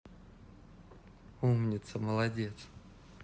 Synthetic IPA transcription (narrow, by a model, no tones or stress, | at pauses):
umnʲɪt̪səməlˠɐdʲet̪s